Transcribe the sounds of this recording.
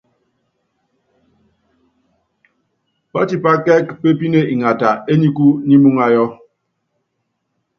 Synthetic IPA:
pa˦ti˨pa˦kɛ˦kpe˦pi˦ne˦ʔi˨ŋa˨ta˨e˦ɲi˦ku˦ni˦mu˦ŋa˦jɔ˦

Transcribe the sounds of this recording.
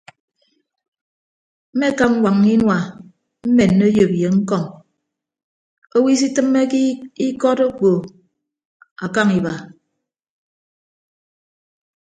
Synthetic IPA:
m̩˦me˦˨ka˦ŋ̩˦wa˨ŋni˦nwa˨ | m̩˦me˨nː˨o˦jo˨bje˨ŋ̩˦kɔ˦˨ŋ | o˦wi˦s̬i˦tɨ˦mːe˦ki˦i˦kɔ˦to˦k͡po˨ | a˨ka˦ŋi˨ba˨

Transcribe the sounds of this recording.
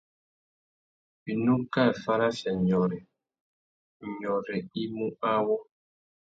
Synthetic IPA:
bi˨nũ˦ka˦˨fa˦ɾa˦fɛ˨ɲɔ˨ɾɛ˨ | ɲɔ˨ɾɛ˨i˦mu˦ʔa˦wɔ˦

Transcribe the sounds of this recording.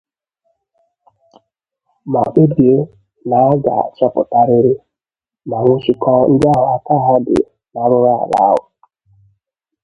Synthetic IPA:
ma˨k͡pe˦bje˦ | na˨˦ɡa̰˨t͡ʃa˦pʊ̰˨ta˦ɾɪ˦ɾɪ˦ | ma˨ŋʷʊ˦t͡ʃi˦kɔ˦n̩˦dɪ˦a˦ɦʊ˨a˦ta˦ɦa˦dɪ̰˨ | na˨˦ɾʊ˦ɾa˦a̰˨ɾa̰˨˦ʊ˨

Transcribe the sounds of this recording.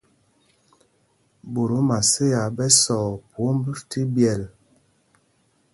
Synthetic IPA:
bu˨ɾu˨˦ma˨se˦a˨bɛ˦sɔ˨po˨˦m˦bi˦fti˦bjɛ˨l

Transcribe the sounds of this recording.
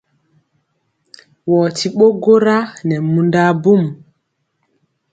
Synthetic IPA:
wɔːti˨ɓo˦ɡo˦ɾa˦nɛ˨mundaːbu˦m

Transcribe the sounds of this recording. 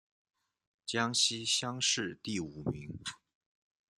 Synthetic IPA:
t͡ɕjɑ˥ŋɕi˥ɕjɑ˥ŋʂɻ̩˥˧t̪i˥˩u˨˩mi˧˥ŋ

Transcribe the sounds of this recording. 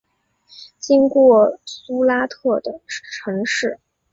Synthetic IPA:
t͡ɕi˥ŋkwɔ˥˩su˥la˥t̪ʰɤ˥˩d̪ə˩ʈ͡ʂʰɤ˧˥ŋʂɻ̩˥˩

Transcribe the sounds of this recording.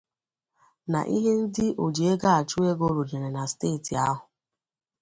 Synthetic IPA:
na̰˨ʔi˦ɦe˦n̩˦dɪ˦ʔo˨d͡ʒi˨e˦ɡa˦a˨t͡ʃu˦e˦ɡo˦ɾu˨d͡ʒe˨ɾe˨na˨steː˦˨ti˨a˦ɦʊ˨

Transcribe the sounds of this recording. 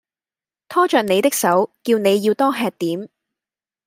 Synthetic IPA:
t̪ʰɔː˥t͡ʃœː˨k̚ne˨˧jt̪ɪ˥k̚sɐ˨˥wkiː˧wne˨˧jːiː˧wt̪ɔː˥ɦɛː˨˧k̚t̪iː˨˥m

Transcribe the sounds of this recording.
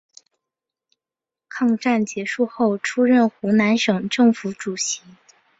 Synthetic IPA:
kʰɑ˥˧ŋʈ͡ʂa˥˩nt͡ɕjɛ˧˥ʂu˥˧xo˥˩ʊʈ͡ʂʰu˥ɻə˥˩nxu˧˥na˧˥nʂɤ˨˩ŋʈ͡ʂɤ˥˩ŋfu˧˥ʈ͡ʂu˨˩ɕi˧˥

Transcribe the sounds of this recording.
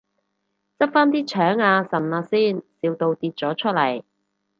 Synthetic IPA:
t͡sɐ˥p̚faː˥nt̪iː˥t͡ʃʰœː˨˥ŋaː˧sɐ˨˩nlaː˧siː˥˩nsiː˨˧wt̪o˧wt̪iː˧t̚t͡sɔː˨˥t͡ʃʰɵ˥t̚lɐ˨˩j

